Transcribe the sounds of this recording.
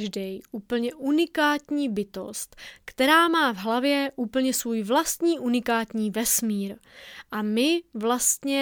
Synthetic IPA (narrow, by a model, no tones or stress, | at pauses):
ʒdɛjʔuːpl̩ɲɛʔunɪkaːt̪ɲiːbɪt̪o̞̰st̪kt̪ɛɾaːmaːvɦlavjɛʔuːpl̩ɲɛsvuːjvlast̪ɲiːʔunɪkaːt̪ɲiːvɛsmiːɾʔamɪvlast̪ɲɛ